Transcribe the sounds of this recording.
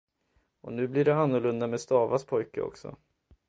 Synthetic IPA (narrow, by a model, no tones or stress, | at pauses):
ɔnʉ̟ːblɪɖɛanːɔɭɵnd̪amɛːd̪st̪ɑːvaspʰɔjkə̰ɔ̰ksɔ̰